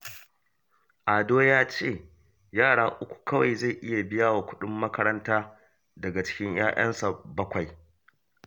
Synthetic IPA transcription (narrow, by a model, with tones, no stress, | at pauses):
ʔaː˨doː˦jaː˦t͡ʃeː˦˨ | jaː˦˨ɽaː˦ʔʊ˦kʷu̥˨kʰɐ˦wa˨jza˦˨jʔɪ˦ja˨bɪ˦jaː˦wa˨kʷʊ˦ɗʊ˦mːɐ˦kɐ˦ɾɐ˦ntaː˦ | dɐ˨ɡa˨t͡ʃɪ̥˦kʲɪ˦ɲj̰aː˦ʔɐ̰˦nsa˨bɐ˦kʷa˨j